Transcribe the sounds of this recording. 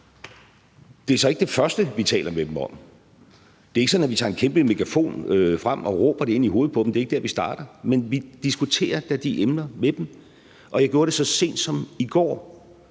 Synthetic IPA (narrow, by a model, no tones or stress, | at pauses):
d̥e̝æɐsɒ̽e̝ɡ̥əd̥e̝fɶɐsd̥əʋit͡sʰɛ̰ːlɐmed̥em̩ɒ̽m̰ | d̥e̝ɐeɡəsɒ̽næʋit͡sʰɑ̈ːe̝nkʰemb̥əme̝kʰæfo̝̰ːnøfʁam̰ɒ̽ʁɔ̰ːb̥ɐɾ̥ee̝n̰iɦoːð̩ˠpʰɒ̥̽emd̥e̝ɐeɡ̥əd̥eɐʋisd̥ɑ̈ːɾ̥ɐmenʋid̥isɡ̥ut͡sʰe̝̰ːɐd̥æd̥iʔemnɐmed̥em | ʔɒ̽jɑ̈ɡ̥jo̝ːɐɾ̥e̝sɒ̽se̝̰ːnd̥sɒ̽miɡ̥ɒ̰ː